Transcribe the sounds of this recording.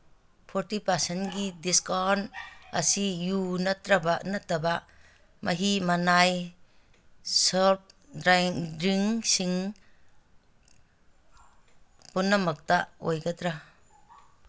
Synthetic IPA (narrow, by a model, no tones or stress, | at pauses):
pʰɔɾtipasenɡidiskɔna̰sijunat̪ɾabaʔnatːaba | maɦimanaj | səp̚ | ɾajŋɾiŋsiŋ | punːamak̚taʔo̰jɡat̪ɾa